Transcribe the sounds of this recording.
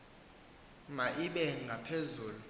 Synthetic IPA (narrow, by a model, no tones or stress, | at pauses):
maʔiɓɛŋɡʱapʰezuːlu